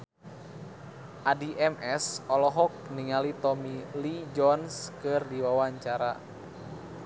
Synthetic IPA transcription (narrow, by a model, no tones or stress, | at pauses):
ʔadiʔɛmʔɛsɔlɔɦɔk̚niŋalit̪ɔmilid͡ʒɔnskɨrdiwawaɲt͡ʃaɾa̰